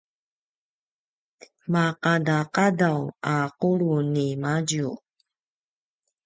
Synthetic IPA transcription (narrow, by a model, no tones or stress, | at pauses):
maqadaqadawaquɾunimaɟu